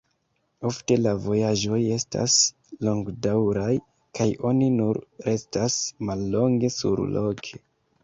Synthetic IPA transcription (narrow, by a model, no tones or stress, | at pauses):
o̞fte̞lavo̞jaʒo̞je̞sta̰s | lo̞ŋɡdawɾaj | kʰajo̞ninuɾɾe̞stasmalːo̞ŋɡe̞sṵɾlo̞kʰe